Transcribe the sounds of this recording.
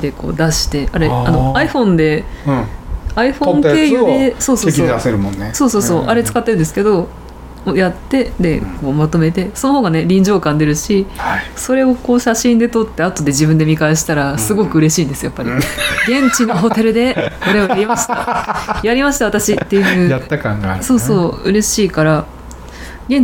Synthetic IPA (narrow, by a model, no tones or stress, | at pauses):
d̪e̞ko̞̰ːd̪aɕi̥t̪e̞aɾe̞ano̞aiɸõ̞nd̪e̞ | aiɸõ̞ŋk̪e̞ːjɯd̪e̞so̞ːsokoaseɾɯmõnːeso̞ːso̞ːso̞ːʔaɾe̞t͡sɨ̥kat̪ːeɾɯ̃nd̪sɨ̥ked̪o̞ | ojat̪ːe̞d̪e̞ko̞ːmat̪o̞me̞t̪e̞sono̞ho̞ːɡane̞ɾʲĩɲ̟d͡ʑo̞ːkãnd̪e̞ɾɯ̟ɕiso̞ɾe̞o̞ko̞ːɕaɕĩnd̪e̞t̪o̞t̪ːe̞at̪o̞d̪e̞ʑibɯ̟̃nd̪e̞mʲikaeɕi̥t̪aɾasɨɡo̞kɯ̟ɯ̟ɾe̞ɕiːnd̪e̞sɨjapːaɾʲiɡẽ̞ɲt͡ɕinoɦo̞t̪e̞ɾɯ̟d̪e̞ko̞ɾe̞ojaɾʲimaɕi̥t̪ajaɾʲimaɕi̥t̪aβat̪aɕit̪ːe̞jɯ̟ːjaːkaŋɡaso̞ːso̞ːɯ̟ɾe̞ɕiːkaɾa | ɡẽ̞ɲ